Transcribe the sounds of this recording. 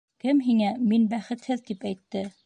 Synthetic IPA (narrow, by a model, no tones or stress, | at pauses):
kɘmɦiŋæminbæχɘ̆t̪hɘðt̪ipæjt̪ːɘ